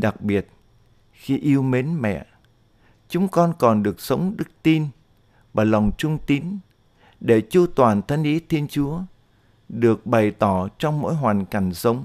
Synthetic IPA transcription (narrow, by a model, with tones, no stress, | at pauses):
ɗa˨˩k̚ɓi˨˩ət̚ | xi˧ʔi˧əwme˨˦nmɛ̰˧˨ | t͡ɕʊ˨˦ŋ͡mkɔ˧nkɔ˨˩nɗɨ˨˩ək̚sə˨˦wŋ͡mɗɨ˦˥k̚t̪i˧n | vaː˨˩la˨˩wŋ͡mt͡ɕʊ˧ŋ͡mt̪i˨˦n | ɗe˧˩t͡ɕu˧t̪waː˨˩nt̪ʰa˧ŋ̟ʔi˨˦t̪ʰi˧ənt͡ɕu˨˦ə | ɗɨ˨˩ək̚ɓa˨˩jt̪ɔ˧˩t͡ɕɔ˧wŋ͡mmo̰˧˥jɦwaː˨˩nka˧˩jŋ̟sə˨˦wŋ͡m